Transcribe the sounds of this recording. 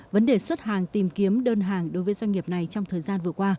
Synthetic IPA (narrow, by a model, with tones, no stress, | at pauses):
və˨˦nɗe˨˩swə˦˥t̚hɦaː˨˩ŋt̪i˨˩mki˨˦əmɗəː˧nɦaː˨˩ŋɗo˨˦jvəː˨˦jzwa˧ŋ̟ŋi˨˩əp̚na˨˩jt͡ɕɔ˧wŋ͡mt̪ʰəː˨˩jzaː˧nvɨ˨˩əkwaː˧